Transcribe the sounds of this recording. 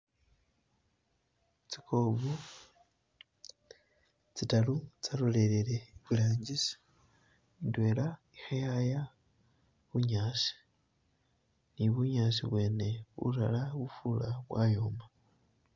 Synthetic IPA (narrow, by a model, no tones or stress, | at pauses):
t͡sikʰoβu | t͡sitalut͡saɾole̞ɾeɾe̞βilaːɲɟisi̥ | indwe̞ːla | ixajaja | βuɲaːʃi̥ | niβuɲaːʃḭβwe̞ːne̞βṵɾa̰laβufulaβwaːjo̞ːmba